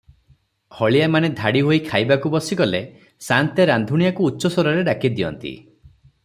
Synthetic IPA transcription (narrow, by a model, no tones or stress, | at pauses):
hɔɭijamaned̪ʱaɽiɦoikʰajbakubɔsikɔle | sant̪eɾand̪ʱuɽ̃ijakuːtːʃɔsɔɾɔɾeɖakid̪iɔ̰nt̪ḭ